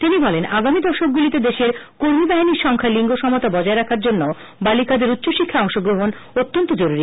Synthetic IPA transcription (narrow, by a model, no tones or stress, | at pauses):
t̪inibɔlenaɡamid̪ɔʃok̚ɡulit̪ed̪eʃeɾkoɾmibaɦiniɾʃɔŋkʰaliŋɡoʃɔmot̪abɔd͡ʑaeɾakʰaɾd͡ʑonːo | balikad̪eɾut̪ːɕoʃikʰːaɔŋʃoɡɾoɦonot̪ːont̪od͡ʑoɾuɾi